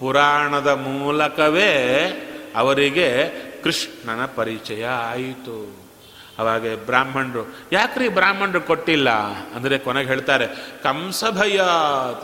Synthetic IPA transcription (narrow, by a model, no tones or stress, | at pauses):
puɾaːɳɐd̪ɐmuːlɐkɐʋeː | ɐʋɐɾiɡe̞kɾiʂɳɐnɐpɐɾit͡ʃɐjɐaːjit̪u | ɐʋaːɡebɾaːm̤ɐɳɖɾu | jaːkɾiːbɾaːm̤ʱːɐɳɖɾukoʈːilːɐ̰ɐ̰nd̪ɐɾekɔneɡɦeːɭt̪aːɾe̞kɐmsɐbʱɐjɐ